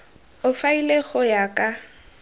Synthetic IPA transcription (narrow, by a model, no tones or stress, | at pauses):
ʊfaileɣʊjakʼa